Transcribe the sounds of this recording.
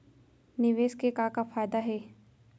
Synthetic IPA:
nɪʋeːskekakafʰaːjd̪aɦɛː

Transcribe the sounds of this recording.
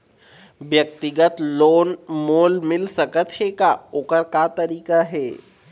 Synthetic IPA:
ʋjɐk̚t̪ɪɡət̪loːnmoːlmɪlsɐkət̪ʰhekaʊkəɾkat̪ɐɾiːkaɦɛː

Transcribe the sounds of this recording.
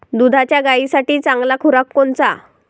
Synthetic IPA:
d̪ud̪ʱat͡ɕjaɡaisaʈiːt͡sãŋɡlakʰuɾakːoɳt͡sa

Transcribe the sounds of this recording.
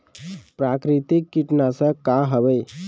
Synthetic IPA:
pɾakɾit̪ikːiʈnasə̃kaɦəbəj

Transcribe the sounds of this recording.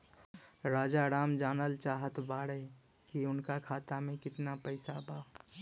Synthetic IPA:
ɾaːd͡ʒaɾaːmd͡ʒaːnəlt͡ʃaːɦət̪baːɽə | kiʊnkakʰaːt̪amẽkɪt̪napəɪsabaː

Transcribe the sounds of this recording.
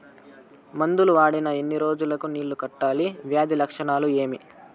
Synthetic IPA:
mɐnd̪uluʋaːɽinɐenːiɾo̞ːd͡ʒulɐkuniːɭːukɐʈːaːliʋjaːd̪ilɐkʂɐɳaːlue̞ːmi

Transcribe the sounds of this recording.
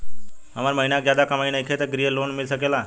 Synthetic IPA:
mamaɾməɦinak̚d͡ʑad̪akəmainəjkʰet̪əɡɾijəlonmilsəkela

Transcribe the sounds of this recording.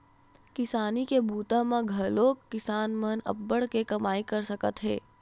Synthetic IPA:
kɪsaːnikebuːt̪amãɡʱɐloːkkːɪsaːnmənə̰bːəɽkekɐmaːikɐɾsɐkət̪ɦɛ̰ː

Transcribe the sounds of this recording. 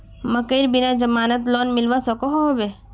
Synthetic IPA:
məkəɪɾbɪnãd͡ʒəmaːnət̪̬loːnmɪlʋasəkoɦobe

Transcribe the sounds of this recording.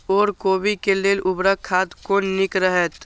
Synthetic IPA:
ɔːɾkoːbikeleːlʔʊbɾəkʰːaːt̪konɪkɾəɦɛt̪

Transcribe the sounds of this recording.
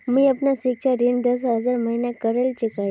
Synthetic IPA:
miːapnasikɕaɾind̪əs̬ɦəd͡zaɾməɦinjakəɾelt͡ɕekai

